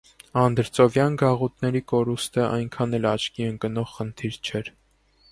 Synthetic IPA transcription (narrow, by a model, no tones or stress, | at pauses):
ɑnd̪əɾt͡sɔvjɑnɡɑʁut̪nɛɾikɔɾust̪əʔɑjŋkʰɑnɛlɑt͡ʃʰkiəŋkənɔʁχənt̪ʰiɾt͡ʃʰɛɾ